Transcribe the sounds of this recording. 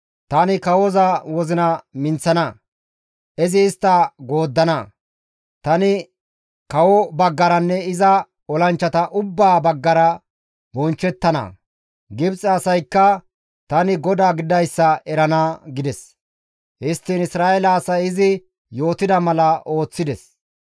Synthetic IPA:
t̪ɐnɪkɐwɔzɐwɔzɪnɐmɪnt͡sːɐnɐ | ʔɪzɪːst̪ːɐɡoːd̪ːɐnɐ | t̪ɐnɪ | kɐwɔbɐɡːɐɾɐnːɛɪzɐ | ɔlɐnt͡ʃːɐt̪ɐʔʊbːaːbɐɡːɐɾɐ | bɔnt͡ʃːɛt̪ːɐnɐ̰ | ɡɪbt͡sʼɐɐsɐjkːɐ | t̪ɐnɪɡɔd̪aːɡɪd̪ɐjsːɐɛɾɐnaɡɪd̪ɛs | hɪst̪ːiːnɪsɾaːɛlɐːsɐjɪzɪ | jo̞ːt̪ɪd̪ɐmɐlɐo̞ːt͡sːɪd̪ɛs

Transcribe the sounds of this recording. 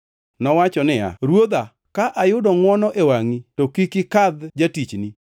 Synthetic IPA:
nɔwat͡ʃɔnɪa̰ɾwod̪a | kaʔajʊdɔŋwɔnɔʔewaŋitokikɪkad̪d͡ʒatit͡ʃni

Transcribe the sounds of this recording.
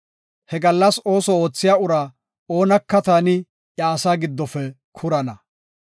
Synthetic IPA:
hɛɡɐlːɐso̞ːsɔo̞ːt͡sːɪjaːʊɾa | oːnɐkːɐt̪anɪ | jɐːsaːɡɪd̪ːɔfɛ | kʰʊɾɐnɐ

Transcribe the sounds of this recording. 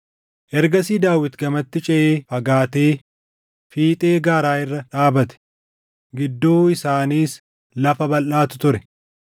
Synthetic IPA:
ʔɛɾɡɐsiːd̪aːwɪt̪ɡɐmɐt̪ːɪt͡ʃʼɛʔeːfɐɡaːt̪eː | fiːt̪ʼeːɡaːɾaːɪrːɐᶑaːbɐt̪ɛ̥ | ɡɪd̪ːoːɪsaːniːs | lɐfɐbɐlʔaːt̪ʊ̥t̪ʊɾɛ

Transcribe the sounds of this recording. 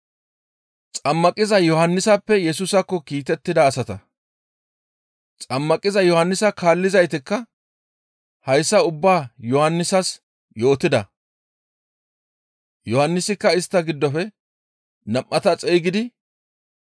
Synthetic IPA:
t͡sʼɐmːɐkʼɪzɐjɔhɐnːɪsɐpːɛjɛsʊsɐkːɔkiːt̪ɛt̪ːɪd̪ɐːsɐt̪ɐ | t͡sʼɐmːɐkʼɪzɐjɔhɐnːɪsɐkaːlːɪzɐjt̪ɪkːɐ | hɐjsːɐʊbːaːjɔhɐnːɪsɐs | jo̞ːt̪ɪd̪ɐ | jɔhɐnːɪsɪkːɐɪst̪ːɐɡɪd̪ːɔfɛ | nɐmʔːɐt̪ɐt͡sʼɛjɡɪd̪ɪ

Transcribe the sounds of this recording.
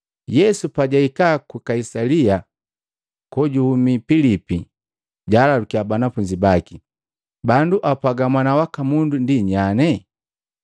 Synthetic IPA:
jɛsupaɟaikakukaisalia | kɔɟuhumipilipi | ɟalalukiabanafuɲd͡ʒibaki | banduʔapaɡamwanawakamundundiɲanɛ

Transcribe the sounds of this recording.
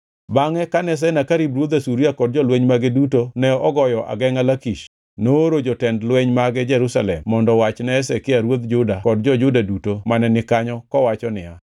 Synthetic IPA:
baŋɛkanɛs̬ɛnakaɾibɾwod̪asuɾiakɔd̚d͡ʒɔlweɲmaɡedutonɛɔɡɔjɔʔa̰ɡɛŋalakiʃ | noɾod͡ʒɔtɛndlweɲmaɡɛd͡ʒɛɾusalɛmːɔndɔwat͡ʃnɛsɛkɪaɾwod̪d͡ʒʊdakɔdd͡ʒɔd͡ʒʊdadutomanɛnɪkaɲɔkɔwat͡ʃɔnɪa

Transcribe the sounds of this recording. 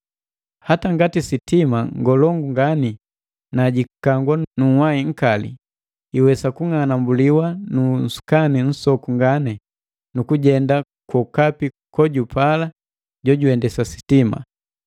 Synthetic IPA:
hataŋɡatisitimaŋɡɔlɔŋɡuŋɡani | naɟikaŋɡwanuwaiŋ̩kalḭ | iwɛsakuŋanambuliwanun̩su̥kanin̩sɔkuŋɡanɛ | nukuɟɛnda | kɔkapi | kɔɟupala | ɟɔɟuɛndɛsasi̥tima̰

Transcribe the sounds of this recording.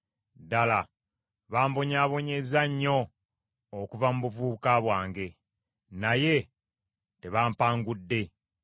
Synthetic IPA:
dala | βaːmboɲaːβo̞ɲe̞zaɲːo̞ː | kuvamuβuvuːkaβwaːŋɡe̞ | naje̞ | te̞βaːmpaːŋɡudːe̞

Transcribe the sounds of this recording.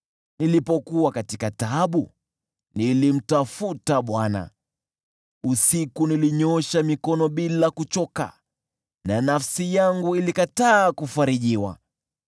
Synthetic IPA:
nilipɔkuwakatikataɓu | nilim̩tafutaɓwana̰ | usikuniliɲɔʃamikɔnɔɓilakut͡ʃɔka̰ | nanafsijaŋɡuilikataːkufaɾiʄiwa̰

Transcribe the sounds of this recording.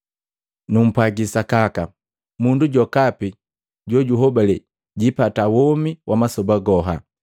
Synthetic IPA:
num̩pwaɡisakaka | munduɟɔkapi | ɟɔɟuɦɔbalɛ | ɟipatawɔmiwʔamasɔbaɡɔɦa̰

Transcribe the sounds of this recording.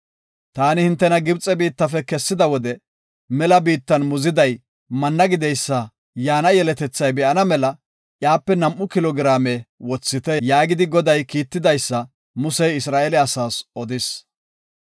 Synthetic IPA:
t̪aːnɪhɪnt̪ːɛnɐɡɪbt͡sʼɛbiːt̪ːɐfɛkɛsːɪd̪ɐwɔd̪ɛ | mɛlɐbiːt̪ːɐnmʊzɪd̪ɐj | mɐnːɐɡɪd̪ɛjsːɐ | jaːnɐjɛlɛt̪ɛt͡sːɐjbɛʔɐnɐmɛlɐ | ʔjaːpːɛnɐmʔʊkɪlɔɡɪɾaːmewɔt͡sːɪt̪ɛjaːɡɪd̪ɪɡɔd̪ɐjkiːt̪ːɪd̪ɐjsːɐ | mʊsɛjɪsɾaːʔɛlɛɐsaːsʔɔd̪ɪs

